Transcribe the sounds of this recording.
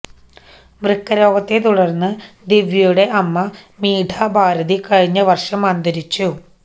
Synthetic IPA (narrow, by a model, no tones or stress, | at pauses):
mrɨkːɐɾo̞ːɡɐt̪ːe̞t̪uɽɐrnːɨd̪iʋjɐjuɽe̞ʔɐmːɐmiːʈʰaːbʱaːɾɐðikɐɻiɲːɐʋɐrʂɐmɐnd̪ɐɾit͡ɕːu